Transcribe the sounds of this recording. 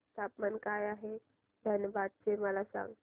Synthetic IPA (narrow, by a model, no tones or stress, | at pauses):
st̪ʰapmənkajaɦe | d̪ʱənjəbad̪̚t͡seməlasã̰ŋɡ